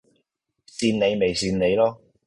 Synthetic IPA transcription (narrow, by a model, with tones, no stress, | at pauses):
siː˧nne˨˧jme˨jsiː˧nne˨˧jlɔː˥